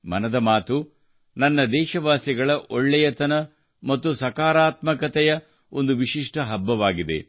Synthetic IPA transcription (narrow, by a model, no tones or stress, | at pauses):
mɐ̰nɐd̪ɐmaːt̪u | nɐnːɐd̪ɛːʃɐʋaːsiɡɐɭɐʔoɭːɛjɐt̪ɐnɐ | mɐt̪ːusɐkaːɾaːt̪mɐkɐt̪ɛjɐ | o̞nd̪uʋiʃiʂʈɐɦɐbːɐʋaːɡid̪e̞̰